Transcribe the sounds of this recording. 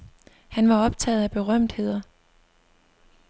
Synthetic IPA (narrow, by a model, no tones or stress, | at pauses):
hænʋɑ̈ɒ̽b̥̚t͡sʰɛ̰ːð̞̩ˠæb̥e̝ʁɶm̰d̥he̝ð̞̰ˠɐ